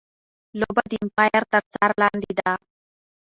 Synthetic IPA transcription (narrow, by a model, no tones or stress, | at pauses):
lobad̪impajɐɾt̪ɐɾt͡saɾland̪id̪a